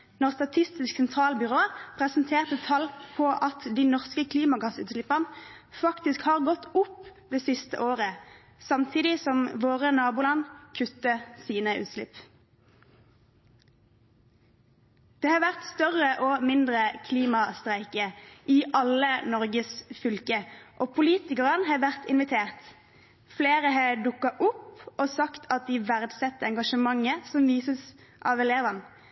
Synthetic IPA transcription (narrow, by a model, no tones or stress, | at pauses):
nɔʁst̪ɑt̪ʰɪst̪ɪsksɛnt̪ʰʁɑːlbʏʁoːpʰʁɛsnt̪ʰeːʁt̪ət̪ʰɑlpʰɔʔɑt̪d̪iːnɔʁskəkʰliːmɑɡɑsʉ̰ːt̪slɪpən | fɑkt̪ɪskhɑːʁɡɔt̪ːʊpd̪eːsɪst̪ə̰ʔoːʁə | sɑmt̪ʰiːd̪ɪsɔmʋoːʁənɑːbʊlɑnkʰʉt̪ːəsiːnəʉ̰ːt̪sʃlɪ̰p | d̪̥eːhɑːʋæʁt̪st̪œʁəʔoːmɪnd̪ʁəkʰliːmɑst̪ʁæɪkəʔiʔɑlənɔʁɡəsfʏlkəʔoːpʰʊliːt̪ɪkəʁənhɑːʋæʁt̪ʰɪnʋɪt̪ʰeːʁt̪ | fleːʁəɦɑːd̪ʊkɑʔʊpoːsɑkt̪ʰɑt̪̚d̪iːʋæʁd̪sɛt̪ːəɛŋɡɑʃəmɑŋəsɔmʋiːsəsʔɑ̰ːʋɛleːʋən